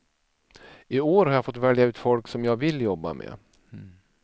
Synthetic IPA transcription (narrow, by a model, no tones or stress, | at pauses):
ɪoːɾhaɾjɑfɔt̪ːvɛljaʉ̟ːt̪fɔlksɔmjɑːɡvɪljɔbːa̰mʔḛ